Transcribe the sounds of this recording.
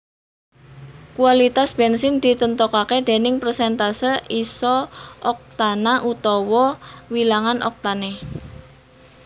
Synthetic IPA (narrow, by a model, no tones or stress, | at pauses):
kualit̪asb̥ɛnsɪnd̪̥it̪ənt̪ɔkaked̪̥e̤nɪŋprsɛnt̪asəʔisɔʔɔk̚t̪anaʔut̪ɔwɔwilaŋanʔɔ̰k̚t̪ane